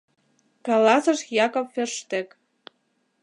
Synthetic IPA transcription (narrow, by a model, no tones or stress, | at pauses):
kɑlɑsəʃjɑkofːerʃt̪ĕk